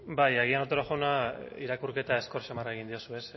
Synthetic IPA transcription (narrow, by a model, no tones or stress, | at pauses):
bajeɣ̞ianot̪oɾoʝawnaiɾakuɾke̞t̪ae̞sko̞rt͡ʃamaraeɣ̞ind̪io̞sue̞s